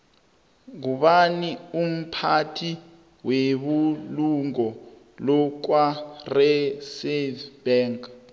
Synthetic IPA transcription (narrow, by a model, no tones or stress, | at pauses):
kuɓanium̩pʰatʰi | weɓuluŋɔ | lɔk̬warɛsɛb̥ɛːŋk